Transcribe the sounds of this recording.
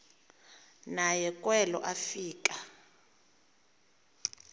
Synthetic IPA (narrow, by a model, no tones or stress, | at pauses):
najɛkʼwɛlɔ̰ʔafiːkʼa